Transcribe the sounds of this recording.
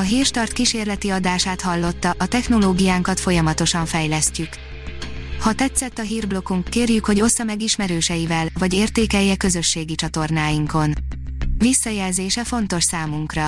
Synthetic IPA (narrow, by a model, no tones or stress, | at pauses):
ɒɦiːrʃt̪ɒrt̪kiʃeːrlɛt̪iɒd̪aːʃaːt̪hɒlːo̞t̪ːɒʔɒt̪ɛxno̞loːɡijaːŋkɒt̪fo̞jɒmɒt̪o̞ʃɒɱfɛjlɛscyk | hɒt̪ɛt̪sɛt̪ːɒɦiːrblo̞kuŋkːeːrjykho̞ɟo̞sːɒmɛɡiʃmɛɾøːʃɛjivɛlvɒɟeːrt̪eːkɛjːɛkø̞zø̞ʃːeːɡit͡ʃɒt̪o̞rnaːjiŋko̞nvisːɒjɛlzeːʃɛfo̞n̪t̪o̞ʃsaːmuŋkrɒ